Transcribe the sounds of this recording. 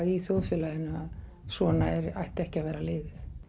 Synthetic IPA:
iθjowðfjɛːlajɪna | svɔːnaɛɾajht̪ɛhcɪavɛːɾalɪːðɪθ

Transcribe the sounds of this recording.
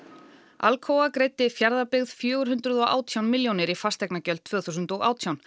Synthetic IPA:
alkʰoːwakɾejt̪ːɪfjaɾðapɪɣð̥fjœːɣʏɾ̥ɦʏnt̪ɾʏðɔʔa̰ːwt̪ʰjawnmɪljownɪɾifast̪ɛknacœlt̪t̪ʰv̥œːɣθusʏnt̪ɔɣa̰ːwt̪ʰjawn

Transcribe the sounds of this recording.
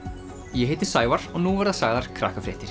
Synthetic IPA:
jɛɦeːjt̪ɪɾ̥saːjvaɾ̥ɔɣnuvaɾðaðsaːɣðaɾ̥kʰɾa̰ːhkafɾɪːht̪ɪɾ̥

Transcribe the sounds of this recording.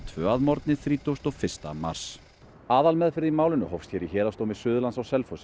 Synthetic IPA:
t̪ʰvœːaðmɔɾt̪nɪθɾiːt̪owst̪ɔɣfɪ̥st̪ama̰ɾ̥s | aːðalmɛðfɪɾðimaːwlɪnʏ̰hɔfst̪çɛɾiçɛːɾast̪owmɪ̥sʏːðʏlansawsɛlfosɪ

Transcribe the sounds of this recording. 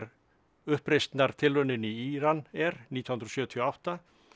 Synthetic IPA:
ɾ | ʏhpɾejst̪naɾ̥t̪ʰɪlvœnɪniiːɾanɛɾniːt̪ʰjɔh̪nɾsjœːt̪ʰiawht̪a

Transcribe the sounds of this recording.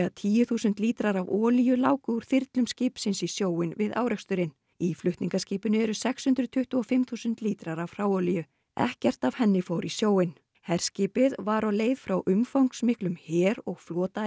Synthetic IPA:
at̪ʰiːjʏθuːsʏnt̪liːt̪ɾaɾavɔːlijʏlaːwkʏuɾ̥θɪɾt̪lʏmscɪːpsɪnsisjoːwɪnvɪða̰ːwɾɛkst̪ʏɾɪn | iflʏht̪niŋkasciːpʏnʏɛɾʏsɛkshʏnt̪ɾʏt̪ʰʏht̪ʏɔfɪmθuːsʏnt̪liːt̪ɾaɾavfrɾawɔːlijʏ | ɛ̰hcɛr̥t̪av̥hɛnːɪfowɾisjoːwɪn | hɛɾ̥scɪːpɪðvaɾɔleːjðfɾawʔʏmfowŋksmɪhklʏmhɛːɾɔɣflɔːt̪a

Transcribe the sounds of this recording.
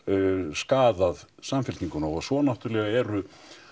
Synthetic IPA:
skaːðaðsamfɪlt̪niŋkʏnaɔɣsvɔnaht̪ʏɾlɛɣaɛɾʏ

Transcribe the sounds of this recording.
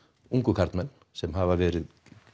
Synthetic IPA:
ʊŋkɵkʰaɾt̪mɛn | sɛmhaːʋaɾʋeːɾɪ

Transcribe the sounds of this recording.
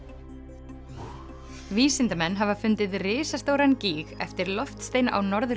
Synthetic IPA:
viːsɪnt̪amɛnːɦavafʏnt̪ɪðrɪːsast̪oːwɾanciːɣɛ̰ft̪ɪɾlɔft̪st̪eːjna̰ʔawnɔɾðʏ

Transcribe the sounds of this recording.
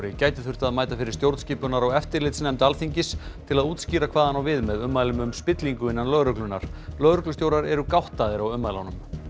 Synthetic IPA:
ɾɪcaːjt̪ɪθʏ̥r̥t̪aðmaːjt̪afɪɾɪ̥ɾst̪jowɾt̪sciːpʏnaɾaɣɛft̪ɪɾlɪt̪snɛmt̪alθiɲcɪst̪ʰɪlaðuːt̪sciːɾakʰv̥aːðanawvɪðmɛðʏmːajlʏmʏmspɪt̪liŋkʏɪnːanlœːðɾœklʏnːa̰ɾ̥lœːðɾʏklʏst̪jowɾaɾɛɾʏkawht̪aðɪɾawʏmːajlawnʏm

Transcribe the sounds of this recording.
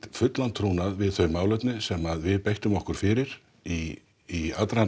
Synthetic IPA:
fʏt̪lant̪ʰːɾuwnaðvɪðθœɥmaːwlœɥt̪nɪsɛmaðvɪðpejht̪ʏmɔhkʏɾ̥fɪɾɪɾ̥ | i | iat̪ɾa

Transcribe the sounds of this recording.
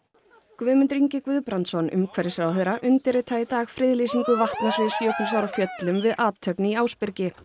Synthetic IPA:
kvʏːðmʏnt̪ɾiɲcɪkvʏðpɾant̪sɔnʏ̰mkʰvɛɾɪsɾawθeːɾaʔʏnt̪ɪɾɪt̪ʰaːjɪt̪aːɣfɾɪðlisiŋkʏvaht̪nasvɪðsfjoːwknɪsawɾawfjœt̪lʏmvɪðaːt̪ʰːœpnɪiaːwspɪɾcɪ

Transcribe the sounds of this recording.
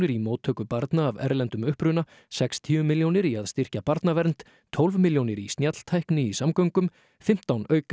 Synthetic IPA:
nɪɾimoːwt̪ʰœːkʏpaɾt̪naːvɛ̰ɾlɛnt̪ʏmʏhpɾʏna | sɛkst̪ʰiʏmɪljownɪɾiaðst̪ɪr̥capaɾt̪navɛɾnt̪ | t̪ʰɔlvmiljownɪɾist̪njat̪l̥t̪ʰajknɪisamkœɥŋkʏm | fɪm̥t̪awnœːɥk

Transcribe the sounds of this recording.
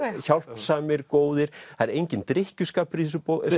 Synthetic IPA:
çawl̥psaːmɪɾ̥koːwðɪɾ̥aðɾejɲcɪnt̪ɾɪhcʏskaːpʏɾiθɛs̬ʏpo

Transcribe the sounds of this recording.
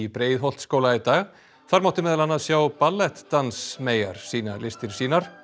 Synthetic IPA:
ipɾeːjðɦɔl̥t̪skoːwlait̪aːɣ | θaɾmawt̪ɪmɛːðlanːaðsjawpalːɛht̪ːansmeːja̰ɾ̥siːnalɪst̪ɪɾ̥siːnaɾ̥

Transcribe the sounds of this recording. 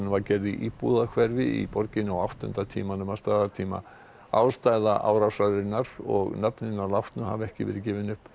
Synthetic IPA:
nvaɾcɛɾðɪʔipuðakʰvɛɾvɪḭpɔɾcɪnʏawawht̪ʏ̰nt̪at̪ʰiːmanʏmast̪aðaɾt̪ʰiːma̰ | a̰wst̪ajðaʔa̰wɾawsajðɪnːaɾɔ̰ɣnapnɪnːaɾlawht̪nʏɦa̰vɛhcɪ̰vɛ̰ːɾɪcɪːvɪnʏhp

